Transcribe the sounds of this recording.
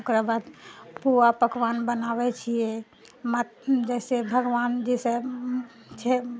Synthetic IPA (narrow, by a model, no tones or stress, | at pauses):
kɾəbad̪puapəkʋanbənabɛt͡ʃʰijɛ | ma | d͡ʒɛsebʱəɡʋand͡ʒɛse | t͡ʃʰɛ